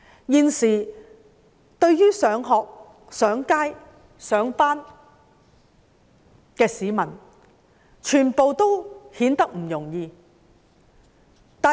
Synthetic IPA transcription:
jiː˨˧nsiː˨˩ | t̪ɵ˧ɥjyː˥sœː˨˧˥ŋɦɔː˨˧k̚ | sœː˨˥ŋkaː˥j | sœː˨˥ŋpaː˥n | kɛː˧siː˨˥mɐ˨˩n | t͡ʃʰyː˨˩npo˨wt̪o˥whiː˨˥nt̪ɐ˥k̚m̩˨˩jʊ˨˩ŋjiː˧ | t̪aː˨

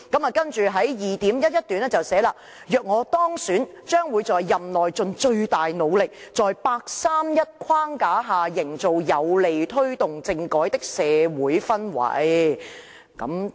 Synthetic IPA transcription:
kɐ˨˥mɐː˨kɐ˥nt͡ʃyː˨ɦɐ˨˥jjiː˨˩t̪iː˨˥mjɐ˥t̚jɐ˥t̚t̪yː˨˥nɛ˥t͡sɐ˨wsɛː˨˥laː˧ | jœː˨k̚ŋɔː˨˧t̪ɔː˥ŋsyː˨˥n | t͡ʃœː˥ŋwuː˨˧jt͡sɔː˨jːɐ˨mlɔː˨jt͡sɵ˧nt͡ʃɵ˧ɥt̪aː˨jno˨˧wlɪ˨k̚t͡sɔː˨jpaː˧k̚saː˥mjɐ˥t̚kʷʰwaː˥ŋkaː˨˥ɦaː˨˩jɪ˨˩ŋt͡so˨wjɐ˨˧wle˨jt̪ʰɵ˥ɥt̪ʊ˨ŋt͡sɪ˧ŋkɔː˨˥jt̪ɪ˥k̚sɛː˨˧wuː˨˥jfɐ˥nwɐ̰˨˥j | kɐ̰˨˥m

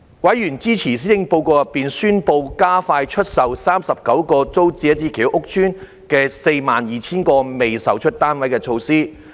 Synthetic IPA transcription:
wɐ˨˥jjyː˨˩nt͡siː˥t͡sʰiː˨˩s̬iː˥jɪ˧˥ŋpo˧wkɔː˧jɐ˨p̚piː˨nsyː˥npo˧wkaː˥faː˧jt͡ʃʰɵ˥t̚sɐ˨wsaː˥msɐ˨p̚kɐ˨˥wkɔː˧t͡so˥wt͡siː˧˦ɐ˥t͡siː˧kʰiː˨˩wʔʊ˥k̚t͡ʃʰyː˥n | kɛː˧se˧jmaː˨njiː˨t͡sʰiː˥nkɔː˧me˨jsɐ˨wt͡ʃʰɵ˥t̚t̪aː˥nwɐ˨˥jkɛː˧t͡ʃʰo˧wsiː˥

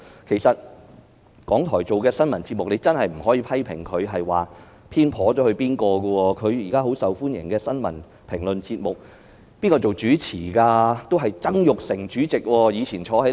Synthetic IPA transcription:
kʰe˨˩jsɐ˨t̚ | kɔː˨˥ŋt̪ʰɔː˨˩jt͡so˨wkɛː˧sɐ˥nmɐ˨˩nt͡siː˧t̚mʊ˨k̚ne˨˧˥jt͡sɐ˥nɦɐ˨jm̩˨˩ɦɔː˨˥jiː˧pʰɐ˥jpʰɪ̰˨˩ŋkʰɵ˨˧ɥɦɐ˨jwaː˨˩ | pʰiː˥npʰɔː˨˥t͡ʃɔː˨˥hɵ˧ɥpiː˥nkɔː˧kə˧wɔː˧kʰɵ˨˧ɥjiː˨˩kaː˥ɦo˨˥wsɐ˨wfuː˥njɪ˨˩ŋkɛː˧sɐ˥nmɐ̰˨˩n | pʰɪ˨˩ŋlɵ˨nt͡siː˧t̚mʊ˨k̚ | piː˥nkɔː˧t͡so˨wt͡ʃyː˨˥t͡sʰiː˨˩kaː˧t̪o˥wɦɐ˨jt͡sɐ˥ŋjʊ˨k̚sɪ˨˩ŋt͡ʃyː˨˥t͡sɪ˨k̚wɔː˧jiː˨˧t͡sʰiː˨˩nt͡ʃʰɔː˨˧˥hɐ˨˦

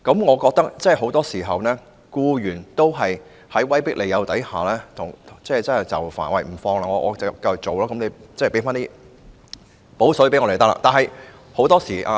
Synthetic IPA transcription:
kɐ˨˧˥mŋɔː˨˧kɔː˧k̚t̪ɐ˥k̚t͡sɛ˥˩˨ho˨˥wt̪ɔː˥siː˨˩ɦɐ˨wnɛː˥ | kuː˧jyː˨˩nt̪o˥wɦɐ˨j | hɐ˨˥jwɐ˥jpɪ˥k̚le˨˧jɐ˨˧wt̪ɐ˨˥jhaː˨lɛː˥t̪ʰʊ˨˩ŋʰ˨t͡sɛː˥˩t͡sɐ˥ɐ˨jt͡sɐ̰˨˩wfa̰ː˨˩nwɐ̰˨˩jm̩˨˩fɔː˧ŋlaː˧ŋɔː˧ŋɔː˨˧˥kːɐ˧jʊ˨˩k̚t͡so˨wlaː˥kɐ˨˥nle˨˧t͡sːpe˨˥faː˥nt̪iː˥ | po˨˥wsɵ˨˥pe˨˥ŋɔ˧te˨˩t̪ɐ˥k̚la̰˧t̪aː˨nɦɐ˨j | ho˨˥wt̪ɔː˥siː˨˩ʔa˨˧

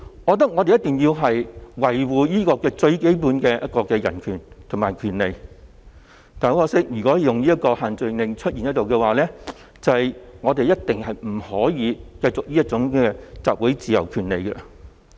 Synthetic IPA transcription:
wɔː˨˧t̪ɐ˥k̚ŋɔ˨˧t̪e˨jɐ˥t̪ɪ˨˩ŋjiː˧wɦɐ˨jwɐ˨˩jwuː˨jiː˥kɔː˧kɛː˧t͡ʃɵ˧ɥke˨˥jpuː˨˥nkɛː˧jʔɐ̰˥t̚kɔː˧kɛː˧jɐ̰˨˩nkʰyː˨˩nt̪ʰʊ˨˩ŋmaː˨˩kʰyː˨˩nle˨j | t̪aː˨˩˧wɔː˧sɪ˥k̚jyː˨˩kɔ˨˥jjʊ˨ŋliː˥jɐ˥t̚kːɔː˧haː˨nt͡sɵ˨˧nlɪ˨˧ŋt͡ʃʰɵ˥t̚jiː˨˩jɐ˥t̚t̪o˨wkɛ˧waː˨˩lɛː˥ | t͡sɐ˨jŋɔː˨˧t̪e˨jɐ˥t̚t̪ɪ˨ŋhɐ˨jm̩˨˩hɔː˨˥jiː˨˧kɐ˧jt͡sʊ˨k̚liː˥jɐ˥t̚t͡sʊ˨˥ŋkɛː˧t͡saː˨p̚wu˨˥jt͡siː˨jɐ̰˨˩wkʰyː˨˩nle˨jkɛ̰˧

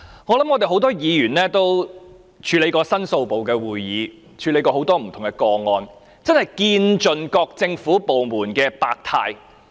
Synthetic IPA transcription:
ŋɔː˨˧lɐ˨˥mŋɔː˨˧t̪e˨jɦho˨˥wt̪̬ɔː˥jiː˨˧jyː˨˩nlɛː˥t̪o˥w | t͡ʃʰyː˨˧le˨˧˥jkɔː˧sɐ˥nso˧wpo˨˩wkɛː˧wuː˨jjiː˨˧ | t͡ʃʰyː˨˧le˨˧˥jkɔː˧ho˨˥wt̪ɔː˥m̩˨˩t̪ʰʊ˨˩ŋkɛ˧kɔː˧ŋɔː˧n | t͡sɐ˥nhɐ˨jkiː˧nt͡ʃɵ˨nkɔː˧k̚t͡sɪ˧ŋfuː˨˥po˨wmuː˨˩nkɛː˧paː˧k̚t̪ʰaː˧j

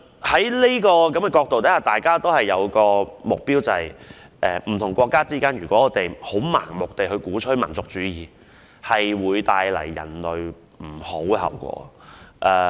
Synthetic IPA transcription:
hɐ˨˥jle˥jkɔː˧kɐ˨˥mkɛ˧kɔː˧k̚t̪o˨wt̪ɐ˨˥haː˨˩t̪aː˨jkaː˥t̪o˥whɐ˨˩jːɐ˨˧wkɔː˧mʊ˨k̚piː˥wt͡sɐ˨hɐ˨˩jʔɛː˨m̩˨˩t̪ʰʊ˨˩ŋkʷɔː˧kːaː˥t͡siː˥kaː˥njyː˨˩kʷɔː˨˥ŋɔː˨˧t̪e˨jho˨˥wma̰ː˨˩ŋmʊ˨k̚t̪e˨jhɵ˨˧kuː˨˥t͡ʃʰɵ˥mɐ˨˩nt͡sʊ˨k̚t͡ʃyː˨˥jiː˨ | hɐ˨jwuː˨˧jt̪aː˧jlɐ̰˨˩jːɐ̰˨˩nlɵ˨ɥ | m̩˨˩ho˨˥whɐ̰˨˩wkʷɔ̰ː˨˥ʔɛː˧

